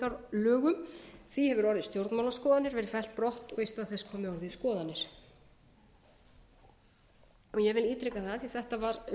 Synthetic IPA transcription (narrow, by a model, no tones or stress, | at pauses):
aɾlœːɣʏmθihɛvʏɾɔɾðɪst̪jowɾt̪nmawlaskɔːðanɪɾvɛɾɪfɛlt̪̚pɾɔht̪ɔɣest̪aðθɛskʰɔːmɪɔɾðɪskɔːðanɪɾ̥ | ɔɣjɛvɪliːt̪ɾɛkaθaðθiθɛht̪avaɾ